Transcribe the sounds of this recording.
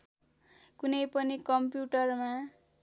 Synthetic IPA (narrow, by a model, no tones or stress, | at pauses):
kunʌjpʌnikʌmpjuʈʌrma